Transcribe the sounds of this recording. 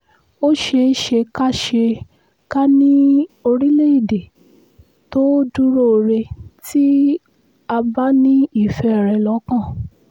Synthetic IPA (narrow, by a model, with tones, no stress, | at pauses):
o˦ʃe˧˦ʃe˧ka˦ʃe˧ | ka˦nĩ˦o˧ɾĩ˦le˦i˦˨de˨ | to˦du˦ɾo˦˨ɾe˧ti˦ | a˧ba˦nĩ˦i˦˨fɛ˧˨ɾɛ˨lɔ˨˦kã˦˨